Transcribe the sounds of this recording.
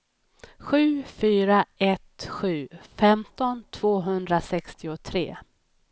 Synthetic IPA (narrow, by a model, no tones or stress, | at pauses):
ɧʉ̟ːfyːɾaɛt̪ɧʉ̟ːfɛmt̪ɔnt̪ʰv̥oːɦɵnd̪ɾasɛkst̪ɪʊt̪ʰɾḛː